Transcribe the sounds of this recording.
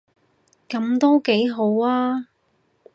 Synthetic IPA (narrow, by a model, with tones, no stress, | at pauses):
kɐ˨˥mt̪o˥wke˨˥jɦo˨˥waː˥